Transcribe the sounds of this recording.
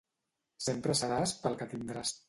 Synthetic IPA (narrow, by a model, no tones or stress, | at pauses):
sempɾəsəɾaspəlˠkət̪ind̪ɾas